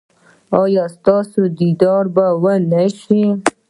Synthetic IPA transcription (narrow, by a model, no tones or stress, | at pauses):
ɑjɑst̪ɑsod̪id̪ɑɾbawənaʃi